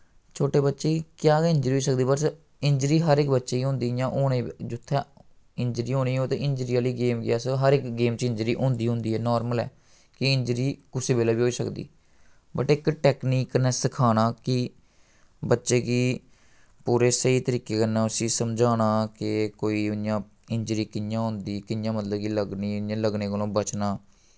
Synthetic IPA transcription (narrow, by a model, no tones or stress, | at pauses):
t͡ʃʰoːʈeːbətːʃeːkjaːɪɲd͡ʒɾiːɦoːiːsək̚d̪iːbəʈ | ɪɲd͡ʒɾiːɦəɾɪkbətːʃeːiːɦʊ̃nd̪iːjãːʔoːɽeːd͡ʒʊt̪ʰːɛː | ɪɲd͡ʒɾiːɦoːniːoːt̪ẽːʔɪɲd͡ʒɾiːaːliːɡeːmɡɪaːsɦəɾɪkɡeːmt͡ʃɪ̃ɲd͡ʒɾiːʔʊ̃nd̪iːɦʊ̃nd̪iːɛːnɔːɾməlɛ̰ː | kɪɪɲd͡ʒɾiːkʊseːbeːlaːbiːɦoːiːsə̰kd̪ḭː | bəʈɪkʈɛːkniːknɛːsɪkʰaːnaːkɪ | bətːʃeːkiː | puːɾeːsəiːt̪əɾiːkeːkənãːʊsĩːsəmd͡ʒaːñaːkɪkoːiːʊnjãː | ɪɲd͡ʒɾiːkɪnjãːɦʊ̃nd̪iːkɪnjãːmət̪ləbkiləɡniːʊjãːləɡneːkəlõːbət͡ʃnaː